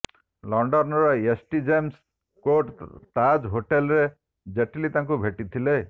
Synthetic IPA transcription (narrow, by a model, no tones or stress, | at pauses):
lɔɳɖɔnɔɾɔesʈid͡ʒems | koʈt̪ad͡ʒɦoʈelɾe | d͡ʒeʈilit̪aŋk̬ubʱeʈit̪ʰile